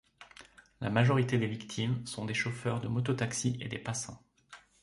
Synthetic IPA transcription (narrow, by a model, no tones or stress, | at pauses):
la̰maʒɔʁit̪ed̪evikt̪ʰimsɔ̃d̪eʃofœʁd̪əmɔt̪ɔt̪aksiʔḛd̪epasɑ̃